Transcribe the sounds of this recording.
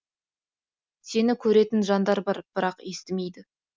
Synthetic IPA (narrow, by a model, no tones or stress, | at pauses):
se̞nɪkʲʰɵɾe̞t̪ɪnʒɑnd̪ɑɾbɑɾb̥ɪɾɑqe̞st̪ɪme̞jd̪ɪ